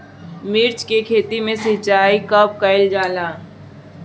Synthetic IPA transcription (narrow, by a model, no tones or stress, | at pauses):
mɪɾt͡ʃkekʰeːt̪imẽsɪt͡ʃaːikəp̚kəɪld͡ʒaːlaː